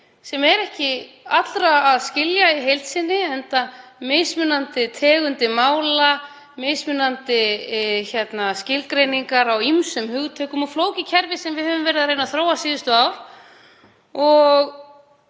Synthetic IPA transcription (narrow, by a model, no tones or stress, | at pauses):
sɛmɛɾɛhcɪ | at̪lɾaːðscɪljaiɦejlt̪sɪnːɪɛnt̪amejsmʏnant̪ɪt̪ʰɛːɣʏnt̪ɪmaːwla | mejsmʏnant̪ɪçjɛt̪nascɪlkɾejniŋkaɾawimsʏmhʏɣt̪ʰœːkʏmɔɣfloːwcɪcʰɛɾvɪsɛmvɪðhœvʏmvɛːɾɪðaðɾreːjnaθɾoːwasiːðʏst̪ʏaːwɾ̥ | ɔɣ